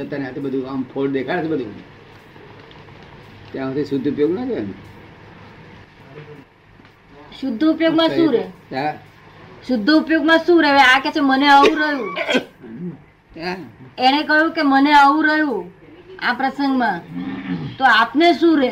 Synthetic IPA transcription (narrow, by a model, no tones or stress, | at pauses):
ət̪aneɦat̪ʰibəd̪ʱuampʰoʈd̪ekʰãət̪ʰibəd̪ʱu | t̪jãat̪ʰiʃʊd̪ʱːəupjoɡnakəene | ʃʊd̪ʱːəupjoɡmãsũɾea | ʃʊd̪ʱːəupjoɡmãʃũɾeʋeaket͡ʃʰeməneəũɾəjũ | t̪aeɽ̃ekəjũkeməneəũɾəɦjũ | apɾəsəŋɡmã | t̪oapneʃũɾe